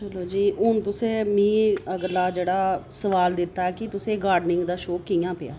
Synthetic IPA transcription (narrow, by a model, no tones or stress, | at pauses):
t͡ʃəloːd͡ʒiːʊnt̪ʊsẽːmĩːəɡəɾlaːd͡ʒeːɽaːsəʋaːld̪ɪt̪ːaːɛːkɪt̪ʊsẽːɡaːɾɖnɪŋɡd̪aːʃoːkijãːpɪja̰ː